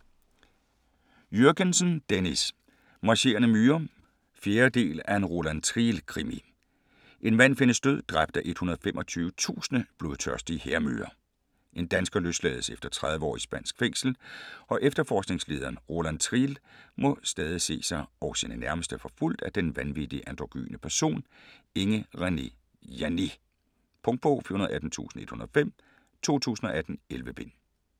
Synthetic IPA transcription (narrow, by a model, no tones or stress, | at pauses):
jøɐɡ̥ənsnd̥enis | mɑ̈ɕe̝̰ːɐnəmyːɐ | fje̝ːɐd̥e̝̰ːlæe̝nʁo̝lænt͡sʰʁiːlkʰʁimi | ʔe̝nʋæn̰fe̝nəsd̥øð̞̰ˠd̥ʁab̥d̥æʔe̝d̥hunɐðˠfemʔɒ̽t͡sʰyːʊət͡sʰṵːsənəb̥lo̝ðˠt͡sʰœɐsd̥iəheɐmy̰ːɐ | ʔe̝nd̥ænsɡ̥ɐløsd̥lɛ̰ːð̞̩ˠsefd̥ɐt͡sʰʁɑð̞ˠʋəɒ̰ːisb̥æn̰sɡ̥feŋ̰sl̩ʔɒ̽ʔefd̥ɐfɒːsɡ̥ne̝ŋsle̝ːð̞ˠɐːnʁo̝lænt͡sʰʁilmɔ̽sd̥ɛːð̞ˠise̝̰ːsɑ̈ɪɒʊsinənæɐməsd̥əfɒ̽ful̰d̥æd̥enʋænʋid̥iʔænd̥ʁoɡ̥y̰ːnʔəpʰæɐso̝̰ːne̝ŋəʁane | jæni | pʰɔ̽ŋ̥̚pʰo̰ːfḭɐhunɐðˠʔæd̥n̩t͡sʰṵːsn̩e̝d̥hunɐðˠfem̰ | t͡sʰo̝̰ːt͡sʰṵːsn̩ɒ̽ʔæd̥n̩elʋəb̥e̝n